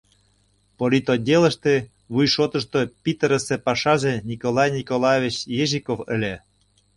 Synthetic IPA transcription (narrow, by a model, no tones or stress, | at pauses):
polʲit̪odʲelə̆ʃt̪ĕ | βujʃot̪ə̆ʃt̪opʲit̪əɾəsepɑʃɑʒenʲikolɑjnʲikolɑjevʲit͡ɕjeʒikofə̰̆lʲe